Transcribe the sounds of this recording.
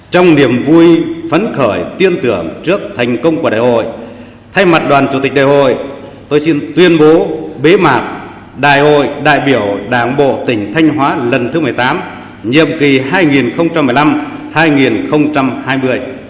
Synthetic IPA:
t͡ɕɔ˧wŋ͡mni˧˩əmvu˧jvə˨˦nxəː˧˩jt̪i˧ənt̪ɨ˧˩əŋt͡ɕɨ˦˥ək̚t̪ʰjŋ̟kə˧wŋ͡mkəɗa̰ː˧˨˩jɦo̰˧˨j | t̪ʰa˧jma˨˩t̚ɗwaː˨˩nt͡ɕu˧˩t̪i˨˩k̟̚ɗa̰ː˨jɦo̰˧˨j | t̪o˧jsi˧nt̪wi˧ənɓo˨˦ɓe˨˦maː˨˩k̚ | ɗa̰ː˧˨jho̰˧˨jɗa̰ː˧˨jɓi˧˩əwɗaː˨˩ŋɓo̰˧˨t̪ï˧˩ŋ̟t̪ʰa˧jŋ̟ɦwaː˨˦lə˨˩nt̪ʰɨ˨˦mɨ˨˩əjt̪aː˨˦m | ɲḭ˧˨əmki˨˩ɦaː˧jŋi˨˩nxə˧wŋ͡mt͡ɕa˧mːɨ˨˩jla˧mhaː˧jŋi˨˩nxə˧wŋ͡mt͡ɕa˧mhaː˧jmɨ˧əj

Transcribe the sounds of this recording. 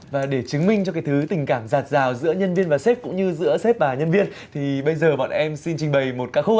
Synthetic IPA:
vaː˨˩ɗe˧˩t͡ɕɨ˨˦ŋmï˧ŋ̟t͡ɕɔ˧kaː˨˦jt̪ʰɨ˨˦t̪ï˨˩ŋ̟kaː˧˩mzaː˨˩t̚zaː˨˩wzɨ̰˧˥əɲə˧nvi˧ənvaː˨˩sɛ˦˥p̚kʊ̰˧˥ŋ͡mɲɨ˧zɨ̰˧˥əsɛ˦˥p̚ɓaː˨˩ɲə˧nvi˧ən | t̪ʰi˨˩ɓə˧jzəː˨˩ɓɔ̰ː˧˨nʔɛ˧msi˧nt͡ɕï˧ŋ̟ɓə˨˩jmo˨˩t̚kaː˨˦˥kxu˧˦ʔ

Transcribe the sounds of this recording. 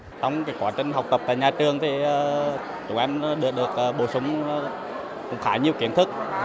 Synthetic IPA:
t͡ɕɔ˧wŋ͡mkaː˨˦jkwaː˧˩t͡ɕï˨˩ŋ̟ɦa˨˩wk͡p̚t̪ə˨˩p̚t̪a̰ː˧˨jɲaː˨˩t͡ɕɨ˨˩əŋt̪ʰiː˨˩˨ | t͡ɕʊ˨˧˩ŋʔa˧ŋ˧˦ɗɨ˨˩ək̚ɗɨ˨˩ək̚ʔəː˨˩ɓo˧˩sʊ˨˦wŋ͡m | kʊ̰˧˩ŋ͡mxaː˧˩jɲi˧əwki˧˩ənt̪ʰɨ˦˥k̚

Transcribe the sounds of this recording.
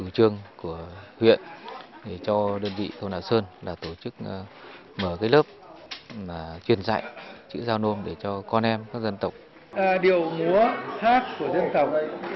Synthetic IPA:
t̪u˧˩t͡ɕɨ˧əŋku˧˩əhwḭ˧˨ənɗe˧˩t͡ɕɔ˧ɗəː˧nvḭ˧˨t̪ʰo˧wna̰˧˨wsəː˧nlaː˨˩t̪o˧˩t͡ɕɨ˦˥k̚ː | məː˧˩kaː˨˦jləː˦˥p̚maː˨˩t͡ɕwi˨˩ənza̰ː˧˨jt͡ɕɨ̰˧˥zaː˧wno˧nɗe˧˩t͡ɕɔ˧kɔ˧nʔɛ˧mkaː˦˥k̚zə˧nt̪ə˨˩wk͡p̚ː | ɗi˨˩˨əwŋu˨˦əhaː˦˥t̚ku˧˩əzə˧nt̪ə˨˩wk͡p̚

